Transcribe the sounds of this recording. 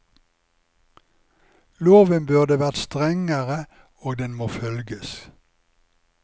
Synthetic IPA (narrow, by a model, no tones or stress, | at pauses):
loːʋənbʉʁd̪əʋæʁt̪st̪ʁɛŋəʁə | oːɡ̚d̪ɛnmoːfœlɡəs